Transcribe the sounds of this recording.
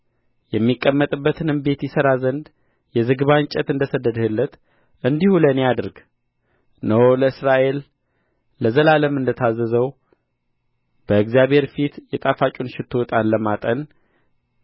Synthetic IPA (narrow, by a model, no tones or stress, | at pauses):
jɛmːikʼːəmːət̪ʼɨbːət̪ɨnɨmbe̞t̪jɛsəɾazənd̪ | jɛzɨɡɨβaɲt͡ʃʼət̪ɨnd̪əsəd̪əd̪əhɨlːət̪ | ʔɨnd̪ihulənejad̪ɾɡ | nəwoləɨsɾaʔe̞lː | əzəlaləmɨnd̪ət̪ʰazːəzəw | b̥əɨɡzijaβhe̞ɾfit̪jɛt̪ʼafat͡ʃʼunʃɪt̪ʰot̪ʼanləmat̪ʼən